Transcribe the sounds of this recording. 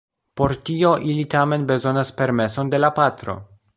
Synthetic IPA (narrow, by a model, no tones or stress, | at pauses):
po̞ɾtio̞ʔilitame̞nbe̞zo̞naspe̞ɾme̞so̞nde̞lapat̪ɾo̞̰